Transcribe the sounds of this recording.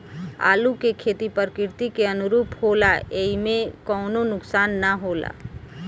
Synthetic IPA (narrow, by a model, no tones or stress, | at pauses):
a̰ːlukekʰeːt̪ipəɾkɪɾt̪ikeənʊɾuːphoːlaeimẽkɔːnonʊksaːnːəɦoːla̰